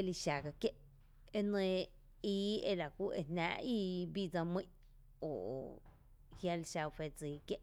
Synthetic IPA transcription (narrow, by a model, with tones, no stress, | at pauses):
e˦˧li˧ʃa˨ɡa˧kje˦ʔ | e˦nə̃˧ | iː˧˦e˧la˨kʷu˦ʔe˧nnã̰ː˧˦ʔi˦bi˦˧d͡zã˧mĩ˦ʔ | o˨ʔo̰˨ | hja˧lʃa˧wfe˧d͡ziː˨kje˦ʔ